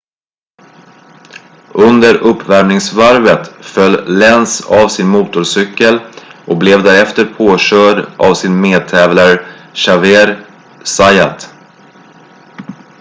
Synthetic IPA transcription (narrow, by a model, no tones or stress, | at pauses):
ʔɵnd̪əɾʔɵpːvæɾmnɪŋsvaɾvət̪fœlːlɛnsavsɪnmuːt̪ʊɾsʏkːəlʔɔk̚blɛvd̪æɾɛft̪əɾpʰoːɕœːɖʔa̰vsɪnmeːd̪̚t̪ʰɛːvlaɾɕaveːɾ | sajat̪